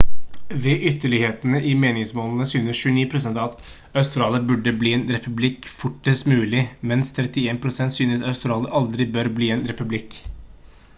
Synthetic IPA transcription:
ʋɛːʔʏt̪ːəɭɪheːt̪ənəʔɪmeːnɪŋsmoːln̩əsyːnəsʃʉəniːpʰɾʊsɛnt̪ɑt̪ | ɑʉst̪ɾɑːləɾbʉɖːəbliːɛːnɾɛpʉblɪkfʊʈːəsmʉːlɪmɛnst̪ʰɾɛt̪ːɪeːnpʰɾʊsɛnt̪syːnəsɑʉst̪ɾɑːləɾʔɑld̪ɾɪbœɾbliːɛːnɾɛpʉblɪk

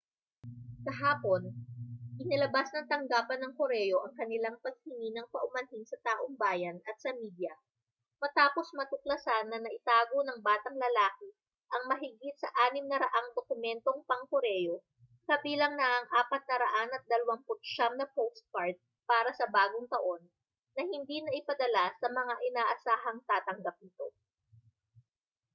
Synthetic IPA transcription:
kɐɦaːpo̞nʔɪnɐlɐbasnɐŋt̪ɐŋɡaːpɐnːɐŋkoɾɛjo̞ʔɐŋkɐnɪlaŋpɐɡ̚hɪŋinɐŋpɐʔʊmɐnɦɪnsɐt̪aːʔoŋbaːjɐnɐt̪̚sɐmiːd̪jɐ | mɐt̪aːpo̞smɐt̪ʊklɐsanːɐnɐʔɪt̪aːɡo̞nɐŋbaːt̪ɐŋlɐlaːkɪ | ʔɐŋmɐɦɪɡit̪̚sɐʔaːnɪmnɐɾɐʔaŋd̪okʊmɛnt̪o̞ŋpɐŋkʊɾɛjo̞ | kɐbiːlɐŋnɐʔɐŋʔaːpɐt̪̚nɐɾɐʔanɐt̪̚d̪ɐlɐwaŋpʊt̪̚ʃamnɐpowst̪̚paɹt̪̚ | paːɾɐsɐbaːɡoŋt̪ɐʔo̞nː | ɐhɪnd̪inɐʔɪpɐd̪ɐlasɐmɐŋaʔɪnaːʔɐsaːɦɐŋt̪aːt̪ɐŋɡap̚nɪt̪o̞

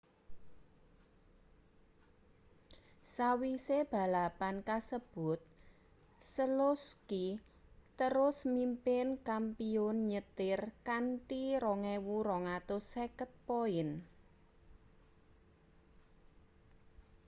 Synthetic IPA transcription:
sawiseb̥a̤lapankasəb̥ʊt̪̚ | səloski | t̪əɾʊsmimpɪnkampiʊnɲət̪ɪrkanʈiɾɔŋɛwuɾɔŋat̪ʊsekət̪̚poɪn

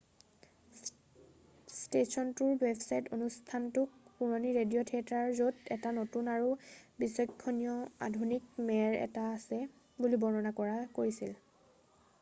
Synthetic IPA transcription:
stesɔntʊɹwebsajtonustʰantʊkpuɹoniɹedijɔtʰiataɹzotɛtanotunaɹubisɔjkʰːɔnijɔa̰dʱunikmɛɹɛ̰taːsɛ | bulibɔɹnɔnakɔɹakoɹisil

